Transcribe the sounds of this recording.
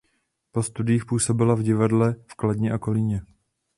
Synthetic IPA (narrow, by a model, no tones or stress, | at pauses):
po̞st̪udɪjiːxpuːso̞bɪlavɟɪvadlɛfkladɲɛʔako̞liɲɛ